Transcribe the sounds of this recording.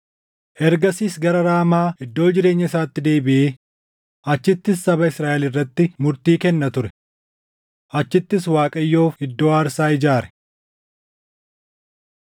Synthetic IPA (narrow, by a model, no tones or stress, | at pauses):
ʔɛɾɡɐsiːsɡɐɾɐɾaːmaːɪd̪ːo̞ːd͡ʒɪɾe̞ːɲːɐɪsaːt̪ːɪd̪e̞ːbɪʔeː | ʔɐt͡ʃːɪt̪ːɪsːɐbɐɪsɾaːʔɛlɪrːɐt̪ːɪmʊɾt̪iːkɛnːɐt̪ʊɾɛ | ʔɐt͡ʃːɪt̪ːɪswaːkʼɐjːo̞ːfɪd̪ːo̞ːaːɾsaːɪd͡ʒaːɾɛ̥